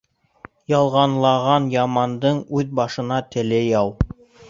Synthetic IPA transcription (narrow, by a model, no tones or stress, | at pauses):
jɑlˠʁɑnlˠɑʁɑnjɑmɑnd̪ɤɴʉðbɑʃɤ̆nɑt̪ɘ̆lɘjɑw